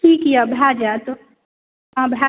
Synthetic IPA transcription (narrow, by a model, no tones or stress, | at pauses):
ikijabʱad͡ʒat̪o | ãbʱa